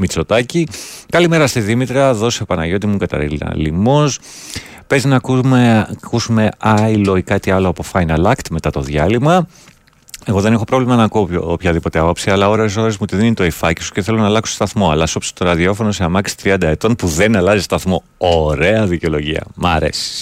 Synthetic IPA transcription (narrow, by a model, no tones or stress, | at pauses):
mit͡so̞t̪ɐcikɐlime̞ɾɐst̪iðimit̪ɾɐðo̞sepɐnɐʝo̞t̪̬imuɡɐt̪ɐ̰ɾilnɐ̰limos | pe̞zinɐk | kusume̞ɐilo̞ikɐt̪iɐloɐpo̞fɐjnɐlɐkt̪me̞t̪ɐt̪o̞ðʝɐlimɐ | e̞ɣo̞ðe̞nexo̞pɾo̞vlimɐnɐkuopçɐðipo̞t̪eɐpɐpsiɐlɐoɾes̬o̞ɾe̞zmut̪iðeninet̪oifɐcisu̥ce̞θe̞lonɐːlɐksost̪ɐθmo̞ɐ̰lɐso̞pso̥t̪o̞ɾɐðio̞fo̞noseɐmɐksi̥t̪ɾiɐnd̪ɐe̞t̪o̞npuðe̞nɐlɐzist̪ɐθmo̞ | oɾe̞ɐðiceo̞lo̞ʝiɐ̰mɐ̰ɾe̞̰si̥